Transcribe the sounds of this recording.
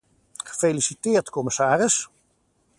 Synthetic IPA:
χə̥felisitɪːɹtkɔməsaːrəs

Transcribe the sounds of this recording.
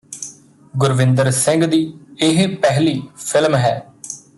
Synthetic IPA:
ɡʊɾʋɪ̃nd̪əɾsɪ̃ŋɡd̪iːɪɦpɛɦliːpʰɪlmɦɛː

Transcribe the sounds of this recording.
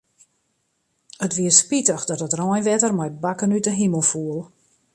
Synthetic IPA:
ətʋiəspitəxdɔtətrɔjnʋɛtərmɔjbakənytəɦiməlˠfuəlˠ

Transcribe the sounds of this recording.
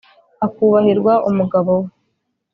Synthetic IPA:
akuβahiɾɡwaʔumuɡaβow

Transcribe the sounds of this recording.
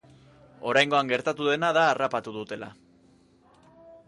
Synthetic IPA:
o̞ɾajŋɡo̞aŋɡe̞ɾt̪at̪uðe̞naðaːrapat̪uðut̪e̞la̰

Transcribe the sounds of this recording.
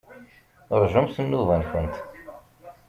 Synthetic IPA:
ɾˤʒəmsənːuvænxənt̪

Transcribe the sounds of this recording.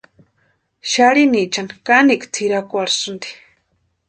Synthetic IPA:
ʃaɽinit͡ʃanikaniʔkt͡sʰiɾakʷaɾsund̪i̥

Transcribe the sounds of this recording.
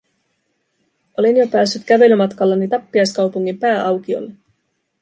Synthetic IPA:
ʔo̞linjo̞pæːsːyt̪kæʋe̞lymɑt̪kɑlːɑnit̪ɑpːiɑjskɑwpuŋːimpæːʔɑwkio̞̰lːe

